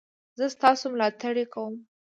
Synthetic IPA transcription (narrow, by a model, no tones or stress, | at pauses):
zəst̪ɑsomlɑt̪aɽekawəm